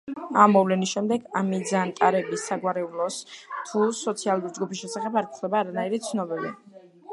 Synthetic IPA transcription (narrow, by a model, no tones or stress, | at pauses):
amːɔvlɛnisʃɛmd̪ɛɡamid̪zant̪ʼaɾɛbisaɡwaɾɛulˠɔst̪ʰusɔt̪sʰialˠuɾid͡ʒɡupʰisʃɛsaχɛbaɾt̪ʰlɛbaːɾanaiɾit̪sʰnɔbɛvḭ